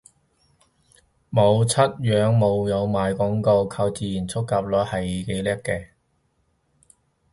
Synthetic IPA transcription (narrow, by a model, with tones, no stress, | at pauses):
mo˨˧wt͡sʰɐ˥t̚jœː˨˧ŋmo˨˧wjɐ˨˧wmaː˨˧jkɔː˨˥ŋko˧wkʰaː˧wt͡siː˨˧jiː˨˩nt͡sʰʊ˥kːaː˨˧p̚lɔː˨˧˥jhɐ˨jke˨˥jlɛː˥kːɛː˧